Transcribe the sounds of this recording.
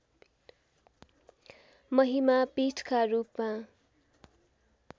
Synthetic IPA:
mʌɦimapiʈʰkaɾupma

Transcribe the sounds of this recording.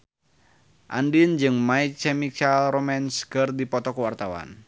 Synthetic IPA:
ʔa̰ndind͡ʒɨŋmait͡ʃɛmit͡ʃalrɔmɛnskɨrdipɔt̪ɔkuwart̪awa̰n

